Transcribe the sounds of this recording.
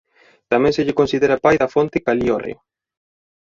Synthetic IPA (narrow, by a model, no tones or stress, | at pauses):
t̪amẽnseʎɪkonsiðeɾɐpajðafont̪ɪkaliorḛo